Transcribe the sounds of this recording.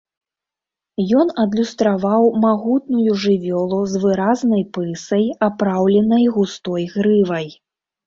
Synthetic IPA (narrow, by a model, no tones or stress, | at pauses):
jɔnɐd̪lʲust̪ɾavawmaɣut̪̚nujuʐɨvʲɔlˠuzvɨɾaznɐjpɨsɐjapɾawlʲɛnɐjɣust̪ɔjɣɾɨvɐj